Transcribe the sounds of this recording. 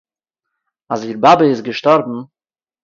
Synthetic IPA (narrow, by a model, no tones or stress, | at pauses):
asiɾbabəɪsɡəʃtɔɾbm̩